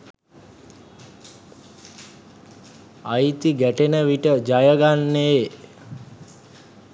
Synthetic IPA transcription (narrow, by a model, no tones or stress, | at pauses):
ajt̪iɡæʈenəʋiʈəd͡ʒajəɡanːe